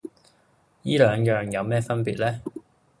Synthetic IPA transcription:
jiː˥lœː˨˧ŋjœː˨ŋjɐ˨˧wmɛː˥fɐ˥npiː˨t̚lɛː˥

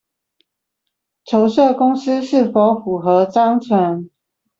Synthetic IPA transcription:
t͡ʃʰjo˧˦ʊʂɤ˥˨kʊ˥ŋs̩˥ʂɻ̩˥˩fo˧˦ʊfu˨˩xɤ˧˦t͡sɑ˥ŋt͡sʰwə˧˦n

